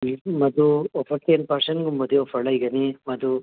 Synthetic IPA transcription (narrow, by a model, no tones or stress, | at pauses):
mɐd̪uofɐɾt̪enpɐɾsɐnɡumɐd̪iofʰɐɭɐiɡɐnimɐd̪u